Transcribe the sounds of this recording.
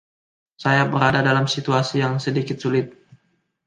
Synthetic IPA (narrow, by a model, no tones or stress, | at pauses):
sajabəɾadadalamsit̪uasijaŋsədikɪt̪̚sulɪt̪̚